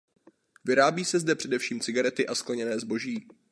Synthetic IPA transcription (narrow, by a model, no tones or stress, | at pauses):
vɪɾaːbiːsɛzdɛpr̝̥ɛdɛfʃiːmt͡sɪɡaɾɛt̪ɪʔasklɛɲɛnɛːzbo̞ʒiː